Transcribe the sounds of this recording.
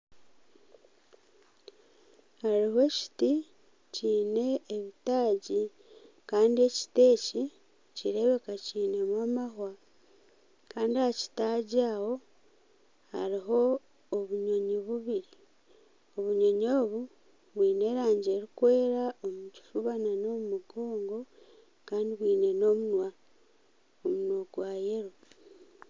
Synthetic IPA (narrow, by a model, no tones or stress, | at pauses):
haɾiɦoeːci̥ti | ciːne̞ːβitaːɟi | kaːndie̞ci̥te̞ːci | ciɾe̞βe̞kaciːne̞mwamahwa | kaːndiaci̥taɟawo̞ | ha̰ɾiɦo̞ː | βuɲo̞ɲiβuβiɾi | o̞βuɲo̞ɲoːβu | βwiːne̞ːɾaːɲɟe̞ːɾikwe̞ːɾaomuci̥fuβanano̞mumuɡoːŋɡo̞ | kaːndiβwiːne̞no̞munwa | omunwoɡwaːjeɾo̞